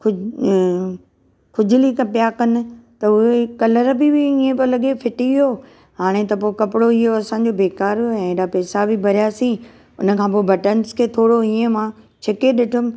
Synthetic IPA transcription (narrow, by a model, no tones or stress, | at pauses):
kʊ | kʰʊd͡ʑʱɪlikɐpijakɐnɪ̆t̪ɐʊɦekɐləɾbɪbɪĩːẽpolɐɠefɪʈiʋijoː | ɦaːɽ̃et̪ɐpoːkɐpɪɽoɪɦoɐsã̆ːd͡ʑobeːkaːɾɦɛ̃ːɗapɛːsabʱɪbʱɐɾijasĩː | ʊnə̆kʰãːpoːebɐʈənskʰeːt̪ʰoːɽoĩːə̃mãː | t͡ɕʰɐkeɗɪʈʰʊm̆